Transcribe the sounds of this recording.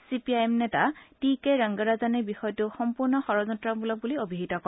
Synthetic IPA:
sipiajɛmnɛtatikɛɹaŋɡɔɹazanɛbixɔjɔtʊxɔmpuɹnɔxɔɹɔzɔntɹɔbulɔk̚buliobʱiɦitɔkɔ

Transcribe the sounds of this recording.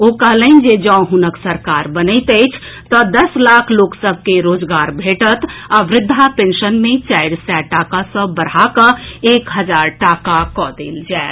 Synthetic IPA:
okəɦləɪnd͡ʒed͡ʒə̃ɦunəksəɾkaɾbənəɪt̪əjt͡ʃʰt̪əd̪əslakʰloksəbʱkeɾod͡ʒɡaɾbʱeʈət̪aʋɾɪd̪ʱːapẽnʃənmet͡ʃaɪɾsɛʈakasə̃bəɾ̤akəekɦəd͡ʒaɾʈakakɔd̪ḛld͡ʒɛː

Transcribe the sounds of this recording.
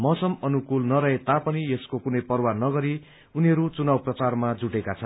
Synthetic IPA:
mʌsʌmʌnukulnʌɾʌɦet̪apʌnieskokunʌjpʌrwanʌɡʌɾi | uniɦʌɾut͡sunawprʌt͡sarmad͡zuʈekat͡sʰʌn

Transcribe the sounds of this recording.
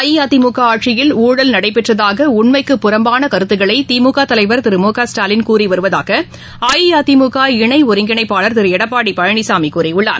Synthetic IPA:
jiaːt̪ɪmukaaːʈʂɪjɪluːɽɐlnɐɽɐɪpɛʈrɐðaːɣɐʊɳmɐɪkːɯpːʊɾɐmbaːnɐkɐɾɯt̪ːɯɣɐɭɐɪt̪iːmuːkaːt̪ɐlɐɪʋɐɾt̪ɪɾɯmuːkaːsʈaːlɪnkuːɾiʋɐɾɯʋɐða̰ːɣɐ | aːjijaːt̪imuːɣaːɪɳɐɪʊɾɪŋɡɪɳɐɪpːaːɭɐɾt̪ɪɾɯɛɽɐpːaːɽipɐɻɐɳɪsaːmikuːɾɐɪʊɭːa̰ːɾ

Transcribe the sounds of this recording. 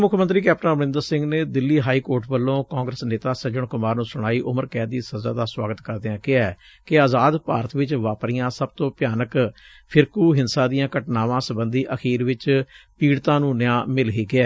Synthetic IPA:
mʊkʰmənt̪ɾiːkɛːp̚ʈə̃bnɪ̃nd̪əɾsɪ̃ŋɡneːd̪ɪlːiːɦaːiːkoːɾʈʋəlːõːkaːŋɡɾəsneːt̪aːsəd͡ʒəɳkʊmaːɾnũːsʊɽ̃aːiːʔʊməɾkɛːd̪iːsəzaːd̪aːswaːɡət̪kəɾd̪eːãːkɪaɛː | kɪaːzaːd̪paːɾət̪ʰʋɪt͡ʃʋaːpɾijãːsəb̚t̪õːpɪjaːnək | pʰɪɾkuːɦɪnsãːd̪ɪjãːkəʈnaːʋãːsəbənd̪iːʔəkʰiːɾʋɪt͡ʃpiːɽt̪ãːnũːnɪjãːmɪlɦiːɡɪɛː

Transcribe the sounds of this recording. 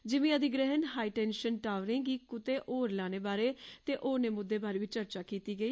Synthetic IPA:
d͡ʒɪʋɪ̃ːãːd̪iːɡɾɛɦənhaːiːʈɛːnʃənʈaːʋɾɪ̃ːŋɡiːkʊt̪eːʔoːɾlãːneːbaːɾeːt̪eːʔoːɾneːmʊd̪ːeːbaːɾeːʋɪt͡ʃəɾt͡ʃaːkiːt̪iːɡəiː

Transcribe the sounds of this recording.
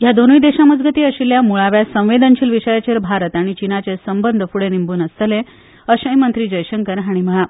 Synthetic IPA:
jad̪onujd̪eɕaməd͡zɡət̪iːəɕiljamuɭaʋjasə̃w̃ʋed̪ənt͡ɕʰiːlʋiɕəjat͡ɕeɾbʱaɾət̪aɽ̃it͡ɕinat͡ɕesəmbənd̪ʱəfuɽenimbuːnəst̪əle | əɕə̃jmənt̪ɾiːd͡ʑəjɕəŋkəɾɦaɽ̃im̤əɭa

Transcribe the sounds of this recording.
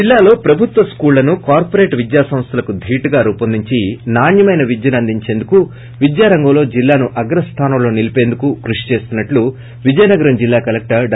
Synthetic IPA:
d͡ʒilːaːlo̞ːpɾɐbʱut̪ʋɐskuːllːɐnukaːɾpoɾe̞ːʈʋid̪jaːsɐm̃st̪ʰɐlɐkud̪ʱiːʈuɡaːɾuːpɐnd̪iɲt͡ʃinaːnjɐmɐjnɐʋid̪jɐnɐnd̪ʱiɲt͡ʃe̞ːnd̪uku | ʋid̪jaːɾɐŋɡɐːlo̞ːd͡ʒilːaːnuʔɐɡɾɐst̪ʰaːnɐmlo̞ːnilipe̞ːnd̪ukukɾuʂi̥t͡ʃe̞ːst̪unːɐʈlu | ʋid͡ʒɐjnɐɡɐɾɐmd͡ʒilːaːkɐlek̚ʈɐɖ

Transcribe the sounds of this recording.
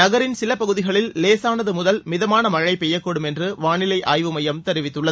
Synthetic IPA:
nɐɣɐɾɪnsɪlɐpɐɣɯðɪɣɐɭɪlːeːsaːnɐðɯmʊðɐlmɪðɐmaːnɐmɐɻɐɪpɛjːɐkːoːɽɯmɛndrɯʋaːɳɪlɐɪʔaːjʋɯmɐjɐmt̪ɛɾɪʋɪt̪ːɯɭːɐðɯ

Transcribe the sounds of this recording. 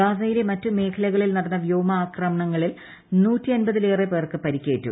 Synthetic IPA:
ɡaːsɐjile̞mɐtːume̞ːkʰɐlɐɣɐɭilnɐɽɐnːɐʋjoːmɐaːkrɐmɐɳɐŋːɐɭil | nuːtːiɐnbɐðileːrepeːrkɨpɐɾikʲːe̞ːtːṵ

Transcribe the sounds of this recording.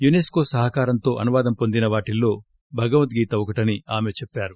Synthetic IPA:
juneːsko̞ːsɐɦɐkaːɾɐnt̪o̞ːʔɐnuʋaːd̪ɐmpo̞nd̪inɐʋaːʈilːo̞ː | bʱɐɡɐʋɐnt̪ɡiːt̪ɐɔkɐʈɐniaːme̞t͡ʃepːaːɾu

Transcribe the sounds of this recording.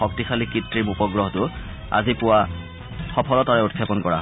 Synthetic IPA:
ɔk̚tixʰalikitɹimupɔɡɹɔɦtʊ | a̰zipʊwa | xɔpʰɔlɔtaɹɛutkʰːapɔnkɔɹa̰ɦ

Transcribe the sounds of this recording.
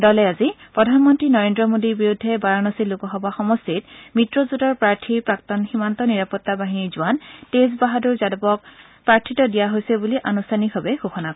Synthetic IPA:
dɔlɛazipɹɔdʱanmɔntɹinɔɹendɹɔmodiɹbiɹudʱːɛbaɹanɔsilukɔɦɔbaxɔmɔstit̚mitɹɔzutɔɹpɹaɹtʰiɹpɹak̚tɔnximantɔniɹapɔtːabaɦiniɹzʊwantesbaɦadʊɹzadɔbɔk̚ | pɹaɹtʰitɔdijaɦojsɛbuliʔanustʰanikɦɔbɛɡoxɔnakɔ

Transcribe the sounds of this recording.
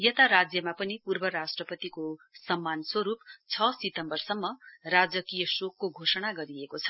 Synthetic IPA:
jʌt̪aɾad͡zjʌmapʌnipurbʌɾasʈrʌpʌt̪ikosʌmːanswʌɾupt͡sʰʌsit̪ʌmbʌrsʌmːʌrad͡zʌkijʌsokːoɡʱosʌɽ̃aɡʌɾiekot͡sʰʌ̥

